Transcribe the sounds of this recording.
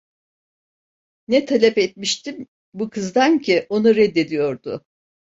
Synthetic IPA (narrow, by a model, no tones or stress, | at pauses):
nɛt̪ʰalʲɛpet̪̚miʃt̪ʰim | bukʰɯzd̪ancʰiʔo̞nuɾɛd̪ːe̞d̪ijo̞ɾd̪ʊ